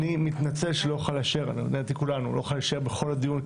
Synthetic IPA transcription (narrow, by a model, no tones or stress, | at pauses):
nimit̪nat͡se̞lʃeloχalaʃeʁa̰nionet̪ikulanuloχalaʃe̞ʁbeχo̞lad̪ijun